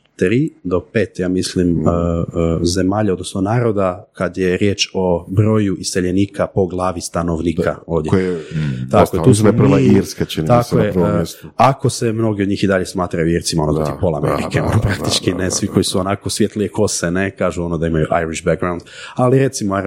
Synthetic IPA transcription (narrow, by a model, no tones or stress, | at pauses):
t̪ɾiːd̪o̞pe̞ːt̪jaːmisliməze̞maːʎao̞d̪no̞snonaːɾo̞d̪akad̪je̞ɾje̞ːt͡ʃo̞bɾo̞ːjuʔist̪eʎeniːkʰapo̞ɡlˠaːʋist̪ano̞ʋniːkʰa̰o̞ːʋd̪je | t̪akoet̪uːsmiɾskat͡ʃint̪akoeɾako̞semno̞ɡiod̪ɲiːxid̪aʎesmaːt̪ɾajuiɾesimoonod̪att̪ipolˠameɾḭkʰeonopɾakt̪it͡ʃkinesʋikʰo̞jisuonakosʋjet̪liekʰo̞senekaːʒuo̞nod̪aimajuʔa̰jɾiʃbaɡɾawnd̪aliɾe̞t̪simoa